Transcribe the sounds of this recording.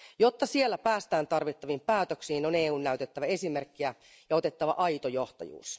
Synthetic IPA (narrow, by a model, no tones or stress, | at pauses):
jo̞t̪ːɑsie̞lːæpæːst̪æːnt̪ɑrʋit̪ːɑʋimpæːt̪øksiːnoneːuːnːæyt̪et̪ːæʋæe̞sime̞rkːiæ | jɑo̞t̪e̞t̪ːɑʋɑ̰ʔɑjt̪ojo̞ht̪ɑ̰jṵːs